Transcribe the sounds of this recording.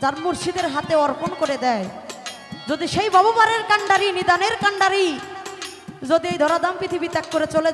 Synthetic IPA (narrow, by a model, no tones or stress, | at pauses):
d͡ʑaɾmuɾʃid̪eɾɦat̪eɔɾponkoɾed̪ɛe | d͡ʑod̪iʃejbʱɔbobaɾeɾkaɳɖaɾinid̪aneɾkaɳɖaɾi | d͡ʑod̪iejd̪ʱɔɾad̪ampɾit̪ʰibit̪ɛkːoɾet͡ɕole